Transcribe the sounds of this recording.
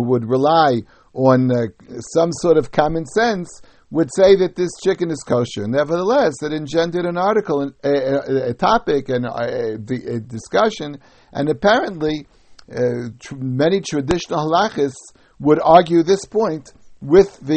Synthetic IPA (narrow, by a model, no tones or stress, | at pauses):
wəd̚ɹəlaɪ | ə̃nsʌ̃msɔɹɾʌv̥kʰɑmɨ̃nsɛ̃ns | wədseɪðɨt̪̚ðɪst͡ʃʰɪkɨ̃nɨz̥kʰoʊʃə˞nɛvə˞ðəlɛsðɨɾɨ̃nd͡ʒɛ̃ndɨɾɨ̃nɑɹɾɨkl̩ˠə̃ | ɨtʰɑpɪkɨ̃n | ɨdɨskʌʃɨ̃n | ʔɨ̰̃nɨpʰɛɹɨ̃nʔli | mɛñitʰɹ̥ɨdɪʃn̩l̩ˠhəlɑχɨs | wəɾɑɹɡjʉðɪspʰɔ̃ɪ̃ntwɪðɨ